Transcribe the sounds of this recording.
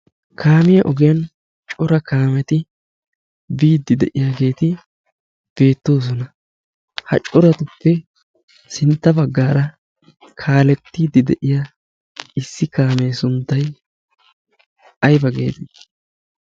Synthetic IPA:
kʰaːmɪjɐʔɔɡɪjɐn | t͡ʃʼɔɾɐkaːmɛt̪ɪ | biːd̪ːɪd̪ɛʔɪjaːɡe̞ːt̪ɪ | b̥e̞ːt̪ːo̞ːs̬ɔnɐ | hɐ̰t͡ʃʼɔɾɐt̪ʊpːɛ | sɪnt̪ːɐbɐɡːaːɾɐ | kʰaːlɛt̪ːiːd̪ɪd̪ɛʔɪja | ɪsːɪkaːmɛjsʊnt̪ːɐj | ɐjbɐɡe̞̰ːt̪ɪ

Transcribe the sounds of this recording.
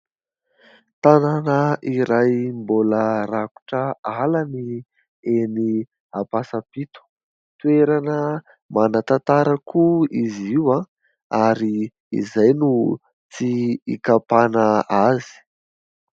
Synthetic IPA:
t̪ananəiɾajmboləɾaku̥ʈ͡ʂəalani | eni | apasapit̪u̥ | t̪ueɾanə | manat̪at̪aɾəkʰuiziwa | aɾi | ḭzajnu | t͡siḭkapanaazi̥

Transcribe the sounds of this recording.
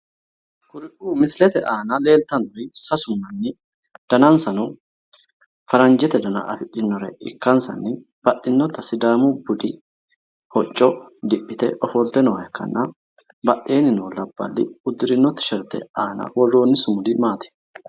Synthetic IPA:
kʊɾɪʔuːmɪslɛt̪ɛʔaːnɐle̞ːlt̪ɐnʊɾɪsɐsʊmːɐnːɪ | d̪̥ɐnɐnsɐnɔ | fɐɾɐnd͡ʒɛt̪ɛd̪ɐna̰ʔɐfɪᶑɪnːɔɾɛ̰ɪ̰kːɐnsɐ̰nːɪ | b̥ɐʔɪnːɔt̪ɐsɪd̪aːmubʊd̪ɪ | hɔt͡ʃʼːɔd̪ɪpːɪt̪ɛ̰ʔɔfɔlt̪ɛnɔɐjɛkːɐ̰nːʔa | bɐʔeːnɪnɔːlɐbːɐ̰lːɪ̰ʊd̪ɪɾɪnːɔt̪ɐ̥ʃɛɾt̪ɛ̰aːna̰wɔrːoːnːɪsʊmʊlɪmaːt̪ɪ̥

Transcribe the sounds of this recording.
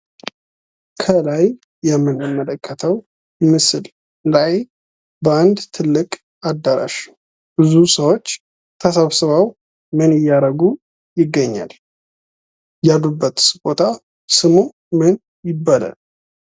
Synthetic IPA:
kʰəlaj | jɛmːɨnɨmːələkʰːət̪ʰəw | jɪmːɨsɨl | laj | bəand̪t̪ʰɨlːɨkʼ | ad̪ːaɾa̰ʃ | bɨzusəwo̞t͡ʃː | t̪ʰəsəβsɨβaw | mɨnɪjːaɾəɡu | jɪɡːəɲːa̰l | jalubːət̪sbo̞t̪ʰa | sɨmu | mɨn | jɪbːala̰l

